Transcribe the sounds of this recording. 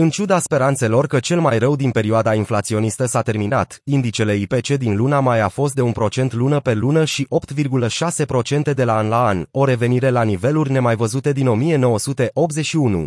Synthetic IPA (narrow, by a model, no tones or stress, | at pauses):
ɨnt͡ʃud̪aspe̞ɾant̪se̞lo̞rkət͡ʃe̞lmajrəwd̪inpe̞ɾioad̪ainflat̪sio̞nist̪əsat̪e̞rmina̰t̪ind̪it͡ʃe̞le̞ipe̞t͡ʃe̞d̪inlunamajafo̞s̬t̪̚d̪eunpɾo̞t͡ʃe̞nt̪lunəpe̞lunəʃiʔo̞pt̪virɡuləʃase̞pɾo̞t͡ʃe̞nt̪e̞d̪e̞laanlaano̞ɾe̞ve̞niɾe̞lanive̞lurʲne̞majvəzut̪e̞d̪ino̞mije̞no̞wəsut̪e̞ʔo̞p̚t̪zeʃiunṵ